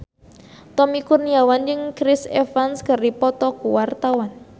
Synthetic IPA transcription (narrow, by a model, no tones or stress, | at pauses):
t̪ɔmikurniawand͡ʒəŋkɾɪsɛ̰fanskəripɔt̪ɔkuwart̪awan